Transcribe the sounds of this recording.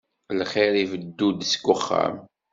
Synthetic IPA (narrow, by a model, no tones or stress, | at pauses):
lχeɾivəd̪ːud̪skʷːʊχːa̰m